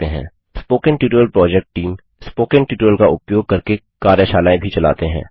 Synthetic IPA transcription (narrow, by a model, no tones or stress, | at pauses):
eɦɛ̰̃ː | spoːkənʈiʈɾəlpɾɔːd͡ʒɛk̚ʈʈiːm | spoːkənʈiːʈəlkaʔʊpjoːɡ̚kɐɾke | kaːɾjəʃaːlaːẽbʱit͡ʃɐla̰ːt̪eɦɛ̰̃ː